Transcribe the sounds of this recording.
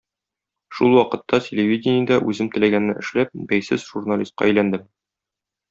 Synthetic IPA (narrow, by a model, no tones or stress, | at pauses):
ʃulˠwɒqɤ̆t̪ːɑtʲelʲevʲidʲɪnʲɪjad̪ɑʔʉzɘmt̪ɘ̆læɡænːɘʔɘ̆ʃlæp̚bæjsɘzʒ̥urnalʲist̪̚qɑ̰æjlænd̪ɘm